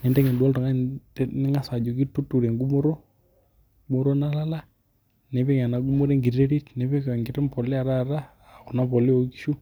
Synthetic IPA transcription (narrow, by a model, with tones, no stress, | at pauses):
nɛ˨nde˦ŋe˨du˨a˦ltɔ˨ŋa˦nɪ˦ŋa˦sa˨d͡ʒo˨ki˦tu˦tu˨ɾe˨ŋɡu˦mo˦ɾo˦ | ɡu˦mo˦ɾo˦na˦la˦la˦ | ne˨pe˦ka˨na˨ɡu˦mo˦ɾe˦ŋɡi˨ɾe˦ɾi˦tne˨˦pe˦kŋɡɪ˨ɾɔ˦mpɔ˨lɪ˦a˨ɾa˦˨ɾa˦ | a˨kɔ˨na˦pɔ˨li˦o˨ki˦ʃu˦